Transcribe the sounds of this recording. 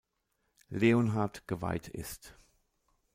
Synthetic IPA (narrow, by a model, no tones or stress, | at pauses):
leːonɦatɡ̥əva̰ɪtʰɪ̰st